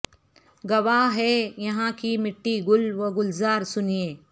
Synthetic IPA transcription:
ɡɐʋaːɦɛːjɐɦãkimɪʈːiɡʊlʋɐɡʊlzaːɾsʊnijeː

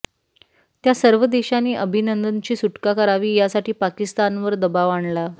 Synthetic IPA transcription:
t̪jasəɾʋəd̪eɕaniːʔəbʱinənd̪ənt͡ɕiːsuʈkakəɾaʋiːjasaʈiːpakist̪anʋəɾd̪əbaʋaɳla

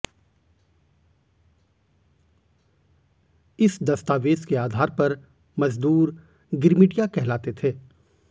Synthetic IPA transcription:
ɪsd̪ɐst̪aːʋeːskeaːd̪ʱaːɾpɐɾ | mɐzd̪uːɾ | ɡɪɾmɪɖijakɛɦlaːt̪et̪ʰeː

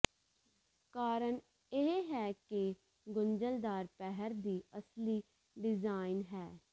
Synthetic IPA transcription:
kaːɾəɳ | eɦɛːkɪ | ɡʊɲd͡ʒəld̪aːɾpɛɦəɾd̪iːəsliː | ɖɪzaːɪnɦɛː

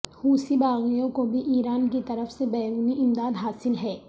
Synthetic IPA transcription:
huːsibaːɣijõkobʱiʔiːɾaːnkit̪ɐɾəfsebɛːɾuːniʔɪmd̪aːd̪ɦaːsɪlɦɛː

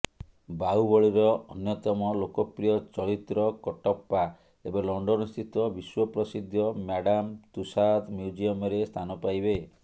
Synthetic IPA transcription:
baubɔɭiɾɔɔnjɔt̪ɔmɔlokɔpɾijɔt͡ʃɔɾit̪ɾɔkɔʈɔpːa | ebelɔɳɖɔnɔst̪ʰit̪ɔbiswɔpɾɔsid̪ʱjɔmjaɽamt̪usad̪mjud͡ʒiɔmɔɾest̪ʰanɔpajbe

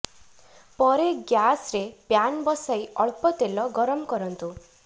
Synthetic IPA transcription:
pɔɾeɡjasɾepjanbɔsajʔɔɭpɔt̪elɔɡɔɾɔmɔkɔɾɔnt̪u

